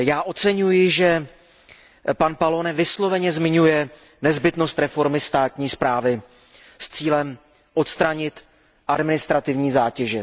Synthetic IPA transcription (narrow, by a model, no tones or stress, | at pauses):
jaːʔo̞t̪t͡sɛɲujɪʒɛ | panpalonɛvɪslo̞vɛɲɛzmɪɲujɛ | nɛzbɪt̪no̞st̪ɾɛfo̞ɾmɪst̪aːt̪ɲiːspɾaːvɪ | st͡siːlɛm | ʔo̞t̪st̪ɾaɲɪt̪ | ʔadmɪnɪst̪ɾat̪ɪvɲiːzaːcɛʒɛ